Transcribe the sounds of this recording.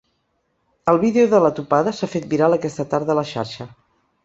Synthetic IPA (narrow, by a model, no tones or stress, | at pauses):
əlˠβiðeuðələt̪upaðəsafet̪̚miɾalˠəkɛst̪ət̪aɾðələʃa̰ɾʃə